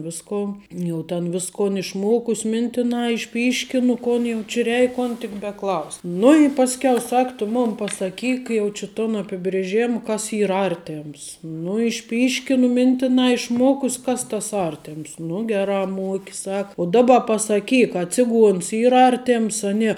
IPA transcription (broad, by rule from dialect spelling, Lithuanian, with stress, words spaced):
ˈʋʲɪskoːn ˈjɛʊ tʲɛn ˈʋʲɪskoːn ɪʃˈmoːkʊs ˈmʲɪnʲtʲɪnɐ ɪʃʲˈpʲiːʃʲkʲɪnʊ ˈkoːn jɛʊ t͡ʃʲɪ ˈrʲɛɪk ˈkoːn tʲɪk bʲɛˈklˠɐʊsʲ nʊ ɪ ˈpɑːsʲkʲɛʊ ˈsɐk tʊ ˈmʊn pɐsɐˈkʲiːk ˈjɛʊ t͡ʃʲɪ toːn ɐpʲɪbʲrʲeːˈʒʲeːm ˈkɐs ˈiːr ˈɐrʲtʲeːms nʊ ɪʃʲˈpʲiːʃʲkʲɪnʊ ˈmʲɪnʲtʲɪnɑː ɪʃˈmuɔkʊsʲ ˈkɐs tɐs ˈɐrʲtʲɛms nʊ ˈɡʲæːrɑː ˈmuɔkʲɪ ˈsɑːkɐ ʊ ˈdɑːbɐ pɐsɐˈkʲiːk ɐ ˈt͡sʲɪˌɡuɔns ˈiːr ˈɐrʲtʲeːms ɐ ˈnʲiɛ